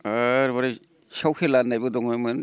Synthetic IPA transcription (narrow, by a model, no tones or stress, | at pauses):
aɾbaɾa | sawkʰelanːajbɯdɔŋnamɯn